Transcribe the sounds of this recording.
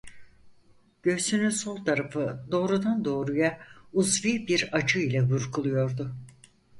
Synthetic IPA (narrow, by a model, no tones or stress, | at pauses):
ɟ̥ø̞synysolˠt̪ʰaɾafɯd̪o̞ːɾud̪and̪o̞ːɾujauzvibiɾad͡ʒɯilʲɛbuɾkʰulˠujo̞ɾd̪ʊ